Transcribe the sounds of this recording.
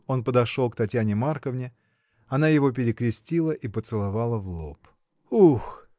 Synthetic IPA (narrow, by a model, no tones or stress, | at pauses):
o̞npəd̪ɐʂolˠkt̪ɐtʲjanʲɪmarkəvnʲɪ | ɐnajɪvo̞p̬ʲɪɾʲɪkɾʲɪsʲtʲilˠəʔipət̪sɨlˠavalˠəvlˠo̞p | ux